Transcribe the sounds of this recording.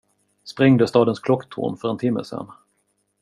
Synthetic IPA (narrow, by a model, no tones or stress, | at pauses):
spɾɛŋd̪əst̪ɑːd̪ənskʰlɔkːt̪ʰʊ̰ɾmfœɾɛnt̪ʰɪmːə̰sɛ̰n